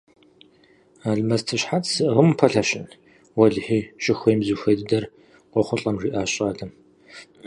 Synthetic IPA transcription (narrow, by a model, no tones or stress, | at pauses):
aːɮmɐztʰɨɕħat͡ssɨʔʁəmpʰɐɬɐɕɪn | wɐɮħiːɕʼɪxʷɔjmzuxʷejdɨdɐr | qʷɔχʷʊɬʼɐmriːʔaːɕʼaːdɐm